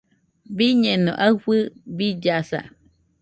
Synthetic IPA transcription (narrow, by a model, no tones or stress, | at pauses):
biɲẽnõ̰ʔaɨɸɨbid͡ʒasa̰